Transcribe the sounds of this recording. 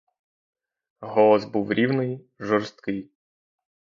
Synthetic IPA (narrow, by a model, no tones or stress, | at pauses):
ɦɔlˠɔsbuwɾʲiwnɪj | ʒɔrst̪kɪj